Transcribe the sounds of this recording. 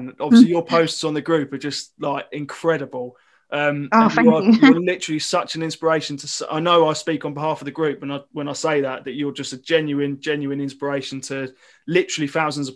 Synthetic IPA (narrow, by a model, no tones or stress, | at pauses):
nɒbvəlijəpʰəʊstsn̩ðəɡɹʉˑpəd͡ʒʌstlaɪkɪ̃nkʰɹ̥ɛɾəbəlˠ | ʔʌ̃mõəəəlɪtəɹəlisʌt͡ʃə̃nɪ̃nspəɹeɪʃə̃ntʰəsa̰ɪnəʊaɪspiˑkə̃n̩bɪɦɑˑfəvðəɡɹʉˑp̚wə̃naɪwə̃naɪseɪðəʔðət͡ʃəd͡ʒʌstəd͡ʒɛ̃njʉɪ̃nd͡ʒɛ̃njʉɪ̃nɪ̃nspəɹeɪʃə̃ntʰə | lɪtəɹəlˠiθaʊzə̃nzəv̥